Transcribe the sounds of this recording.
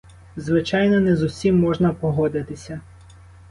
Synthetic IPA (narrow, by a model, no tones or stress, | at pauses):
zʋɪt͡ʃɑjnɔnɛzusʲimːɔʒnɐpɔɦɔd̪ɪt̪ɪsʲɐ